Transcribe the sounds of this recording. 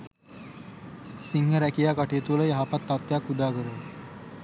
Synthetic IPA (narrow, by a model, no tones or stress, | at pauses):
siŋɦəɾɛkijaːkaʈijət̪uələjaɦapat̪ːat̪ːjakːud̪aːɡəɾə